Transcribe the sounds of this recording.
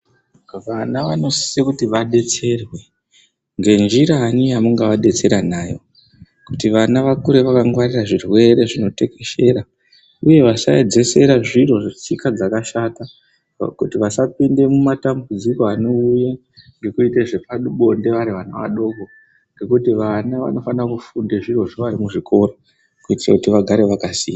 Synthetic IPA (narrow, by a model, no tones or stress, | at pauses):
ʋanaʋano̞si̥sekutiʋaɗe̞t͡se̞rwe̞ | ŋɡe̞nd͡ʒiɾaːnijamuŋɡaʋaɗe̞t͡se̞ɾanaːjo̞̰ | kutiʋanaʋakuɾe̞ʋakaŋɡwariraʐirwe̞ɾe̞ʐino̞te̞ke̞ʃe̞ɾa | uje̞ʋasaed͡ze̞se̞ɾaʐiɾo̞ʐt͡sikad͡zakaʃata | kutiʋasapinde̞mumatambud͡ziko̞ano̞uja | ŋɡe̞kuiteʐe̞paɗɓo̞nde̞ʋaɾiʋana̰ʋa̰ɗo̞ɡʱo̞ | ŋɡe̞kutiʋanaʋa̰no̞fanrakufundeʐiro̞ʐoʋaɾimuʐikʰo̞ro | kuitirakutiʋaɡʱaɾe̞ʋakasiːja